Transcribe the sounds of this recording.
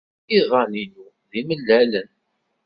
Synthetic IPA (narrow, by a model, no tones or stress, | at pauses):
iðˤɑninu | ðiməlːælən